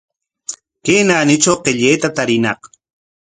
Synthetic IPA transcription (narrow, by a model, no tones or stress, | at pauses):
keːnaːnɪt͡ʃawqeʎejt̪at̪aɾɪnɑq